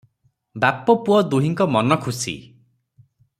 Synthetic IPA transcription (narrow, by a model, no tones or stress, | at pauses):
bapɔpuɔd̪uɦiŋkɔmɔnɔkʰusḭ